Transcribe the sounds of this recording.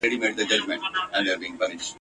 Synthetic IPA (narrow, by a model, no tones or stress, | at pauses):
eɖimeʈ̚d̪əd͡ʒʌd͡ʒmə̃ɳʈæ̃nd̪eɾbiːɪ̃ŋpʌnɪʃʈ